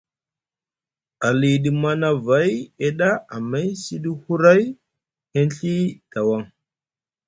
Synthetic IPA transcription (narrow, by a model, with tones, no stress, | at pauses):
a˨li˨ɗi˨ma˦na˨va˨˦je˦ɗa˦a˨ma˦jsi˦ɗi˦hu˦ɾa˦j | he˦nɬi˦d̥a˨wa˦˨ŋ